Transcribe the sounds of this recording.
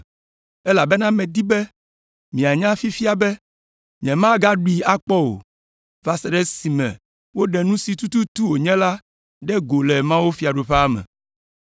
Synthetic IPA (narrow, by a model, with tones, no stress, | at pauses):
ɛ˦la˨bɛ˦nã˦mɛ̃˨d̪i˦bɛ˦ | mĩ˨a˨ɲã˦fi˦fi˦a˨bɛ˦ | ɲɛ̃˨mã˦ɡa˦ɖu˦i˨a˦k͡pɔ˦wo̰˨ | va˨sɛ˨ɖɛ˦si˨mɛ̰̃˨ | wo˦ɖɛ˨nũ˦si˨t̪u˦t̪u˦t̪u˦wo˨ɲɛ̃˦la˦ | ɖɛ˦ɡo˨lɛ˨mã˦wo˦fi˨˦a˨ɖo˨ɸɛ˦a˦mɛ̰̃˨